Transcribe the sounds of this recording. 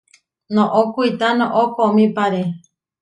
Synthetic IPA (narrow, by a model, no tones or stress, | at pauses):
nõʔokuit̪anõʔokomĩpaɾe